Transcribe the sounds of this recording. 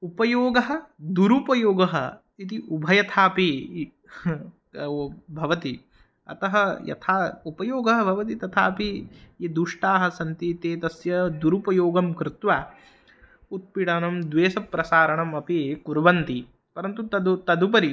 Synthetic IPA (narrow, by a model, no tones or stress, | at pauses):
upɐjoːɡɐɦɐ̆d̪uɾupɐjoːɡɐɦɐ̰ | it̪iʔubʱɐjɐt̪ʰaːpi | bʱɐʋɐt̪i | ɐ̰t̪ɐɦɐjɐ̰t̪ʰaːupɐjoːɡɐɦɐbʱɐʋɐt̪̬it̪ɐt̪ʰa̰ːɐpiːd̪uʂʈaːɦɐ̆sɐnt̪iːt̪eːt̪ɐsjɐd̪uɾupɐjoːɡɐmkɾɪt̪ʋaː | ut̪̚piɽaːnɐmd̪ʋeːsɐpːɾɐsaːɾɐɳɐmɐpikuɾʋɐnt̪i | pɐɾɐnt̪ut̪ɐd̪ut̪ɐd̪up̬ɐɾi